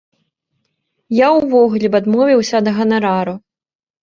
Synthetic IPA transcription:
jawvɔɣulʲɛbad̪mɔvʲiwsʲɐd̪ɐɣɐnɐɾaɾu

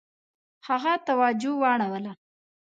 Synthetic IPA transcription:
haɣat̪awɑd͡ʒʊwɑɽ̃awəla

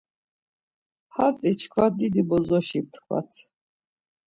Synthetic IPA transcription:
hat͡sʼit͡ʃʰkʰvad̪id̪ibɔzɔʃib̚t̪ʰkʰwa̰t̪ʰ

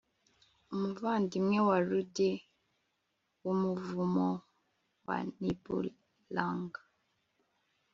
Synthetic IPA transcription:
muvandimwɛwalude | wumuvumɔ | wa̰nibṵ | laŋɡa

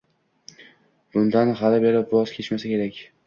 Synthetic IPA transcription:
b̥ʊnd̪anɦalɪbeɾɪpɒzkʲʰe̞t͡ʃmasakʲʰe̞ɾakʲ

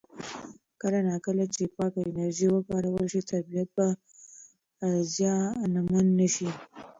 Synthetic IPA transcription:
kəlanɑkəlat͡ʃepɑkaɪnaɾʒiwəpɑɾawəlʃit̪aɾbijat̪̚ba | zjɑnamanːaʃi

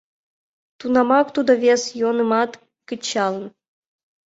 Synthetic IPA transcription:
t̪unɑmɑkt̪ud̪ə̆βʲesjonɨmɑt̪ | kɘ̆t͡ɕːɑlˠən

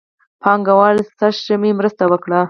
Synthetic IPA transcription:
pʰɑŋɡawɑlsaʃʒamimɾəst̪awəkɽa

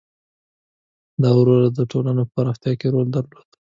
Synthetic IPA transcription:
d̪ɑwɾolad̪əʈolanopəɾaft̪jɑkeɾold̪əɾlod̪̥

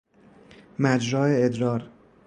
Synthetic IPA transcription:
mæd͡ʒɾɒːeed̪ɾɒːɾ

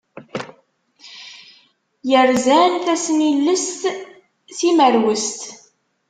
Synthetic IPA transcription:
jəɾzænθæsənilːəst̪ | θiməɾwəst̪

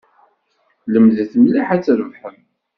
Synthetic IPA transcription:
ləmðæθəmlaħat͡sːɾəvħəm

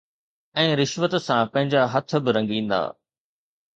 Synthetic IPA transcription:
ɛ̃ːɾɪʃʋət̪sãpɐ̃ɦɪ̃ɲd͡ʑaɦɐt̪ʰə̆bɪɾɐ̃ŋɡĩːnd̪a̰ː

